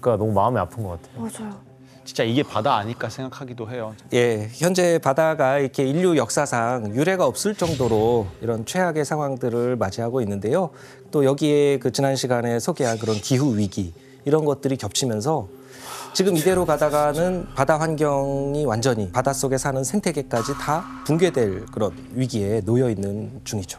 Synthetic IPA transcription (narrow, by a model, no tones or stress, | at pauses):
k͈anʌmumaɯmeapʰɯnɡʌk͈atʰejoad͡ʑ | t͡ɕint͡ɕ͈aiɡe̞padaːɲiɭk͈asʰe̞ŋɡakʰaɡidoɦe̞joje̞çjʌnd͡ʑe̞padaɡaikʰe̞iʎːujʌk̚s͈asʰaŋjuɾe̞ɡaʌp̚s͈ɯɭt͡ɕ͈ʌŋdoɾoiɾʌnt͡ɕʰwe̞ɦaɡe̞sʰaŋɦwaŋdɯɾɯɭmad͡ʑiɦaɡoinːɯnde̞jo | t͈ojʌɡie̞kɯt͡ɕinanɕʰiɡane̞sʰoɡe̞ɦank̬ɯɾʌnkiɦuɥiɡiː | ɾʌnɡʌt̚t͈ɯɾikjʌp̚t͡ɕʰimjʌns̬ʰʌ | t͡ɕiɡɯmide̞ɾokadaɡanɯnpadawanɡjʌŋiwand͡ʑʌɲipadas͈oɡe̞sʰanɯnsʰe̞ŋtʰe̞ɡe̞k͈ad͡ʑita | puŋɡwe̞dwe̞ɭkɯɾʌn | ɥiɡie̞nojʌinːɯnt͡ɕuŋid͡ʑo̥